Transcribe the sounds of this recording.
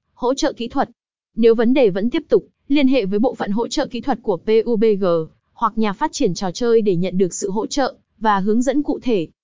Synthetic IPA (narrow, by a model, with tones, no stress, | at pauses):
ho̰˧˥t͡ɕə̰ː˧˨kḭ˧˥t̪ʰwə˨˩t̚ | ne˨˦wvə˨˦nɗe˨˩və̰˧˥nt̪i˦˥əp̚t̪ʊ˨˩k͡p̚ | li˧ənɦḛ˧˨vəː˨˦jɓo̰˧˨fə̰˧˨nɦo̰˧˥t͡ɕə̰ː˧˨ki˧˥t̪ʰə˨˩t̚ku˧˩əpe˧ʔu˧ɓe˧ɣəː˨˩ | hwa˨˩k̚ɲaː˨˩faː˦˥t̚t͡ɕi˧˩ənt͡ɕɔ˨˩t͡ɕəː˧jɗe˧˩ɲə̰˧˨nɗɨ˨˩ək̚sɨ̰˧˨ɦo̰˧˥t͡ɕə̰ː˧˨ | vaː˨˩ɦɨ˨˦əŋzə̰˧˥nkṵ˧˨t̪ʰe˧˩